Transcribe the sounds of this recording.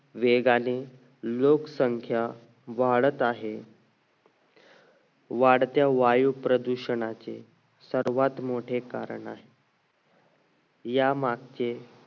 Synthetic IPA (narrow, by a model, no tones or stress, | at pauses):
ʋeɡani | lokəsəŋkʰja | ʋaɭət̪aɦe | ʋaɽt̪jaʋajupɾəd̪uɕəɳat͡sḛ | səɾʋat̪moʈʰekaɾə̰ɳa̰ɦe | jamaɡt͡ɕe